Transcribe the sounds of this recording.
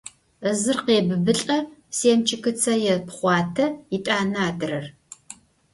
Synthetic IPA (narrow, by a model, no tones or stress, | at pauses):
əzɨrqeːbɨbɨɬʼɐseːmt͡ʃʰɪkɨt͡sʰɐjɛpχʷɑːtʰɐitʼaːnaaːdɨrɐr